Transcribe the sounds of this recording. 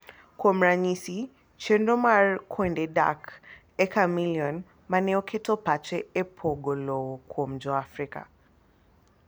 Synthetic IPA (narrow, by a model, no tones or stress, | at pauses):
kwɔm̩ɾaɲisi | t͡ʃɛndɔmaɹkʰwɛndɛda̰k | ɛkamilijɔn | manɛɔkʰɛtɔpat͡ʃɛɛpʰɔɡɔlɔɔkʰwɔm̩d͡ʒɔafɾika̰